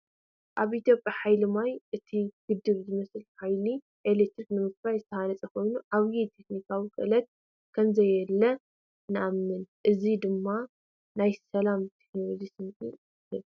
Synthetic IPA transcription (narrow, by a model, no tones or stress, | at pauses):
ʔaβʔit̪jo̞pʼjaħajlɨmajʔɨt̪ʰiɡ̥ɨd̪ɨβzɨmɐsɨlħajli | ʔelet̪ɾiknɨmɨk̚ɾajzɨt̪ʰɐhanɐt͡sʼɐkʰo̞jnuʔaβjit̪ʰe̞knikʰawikʼɨ̰ʔɨlɐt̪̚ | kʰɐmzɐjɛlːɐ | nɨʔamːɨnʔɨzid̪ɨmːa | najsɐlamt̪ʰe̞kno̞lod͡ʒisɨnkʼḭ | ɨβ